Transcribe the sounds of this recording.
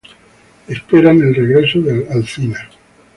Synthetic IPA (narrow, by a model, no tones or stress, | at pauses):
espeɾane̞lreɣɾe̞soðelalθina